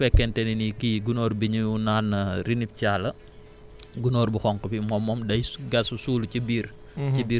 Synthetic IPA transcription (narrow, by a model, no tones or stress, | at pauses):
fɛkːɛntɛninikiɡunɔːɾbiɲuunaːnːɐrinip̚caːlɐ | ɡunɔːɾbuxɔŋkupimɔmːɔmdɐjɡɐsusuːlucibiːɾ | ibiː